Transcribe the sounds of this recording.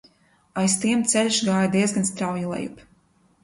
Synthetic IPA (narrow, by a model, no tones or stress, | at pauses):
ajst̪iɛmt̪sɛlʲʃɡaːjad̪iɛzɡanst̪ɾawjilˠɛ̰jṵp